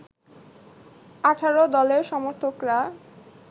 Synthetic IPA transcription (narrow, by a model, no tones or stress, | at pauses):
aʈʰaɾod̪ɔleɾʃɔmoɾt̪ʰokɾa